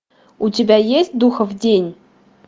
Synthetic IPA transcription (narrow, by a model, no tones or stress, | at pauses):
utʲɪbʲæjesʲt̚ʲd̪uxəvdʲenʲ